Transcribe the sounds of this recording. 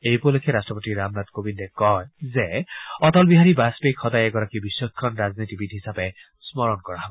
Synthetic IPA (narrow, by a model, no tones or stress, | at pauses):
ejpulokʰɛɾastɹɔpɔtiɾamnadkobindekɔjzeɔtɔlbiɦaɹibaspekʰːɔdajɛɡɔɹakibisːɔikʰːɔnɹaznitibitɦisape | smɔɹɔnkɔɹaɦɔbɔ